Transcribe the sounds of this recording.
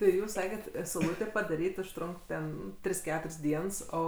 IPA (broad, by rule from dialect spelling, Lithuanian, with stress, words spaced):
tɐɪ ˈjuːs ˈsɑːkʲɛt sɐʊˈlˠuːtʲeː pɐdɐˈrʲiːtʲ ʊʃˈtrʊŋk tʲɛn ˈtʲrʲɪs ˈkʲæːtʊrʲsʲ ˈdʲiɛns ˈoː